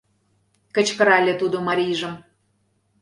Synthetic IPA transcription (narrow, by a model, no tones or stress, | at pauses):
kə̆t͡ɕkə̆ɾɑlʲet̪ud̪omɑɾʲiʒə̆m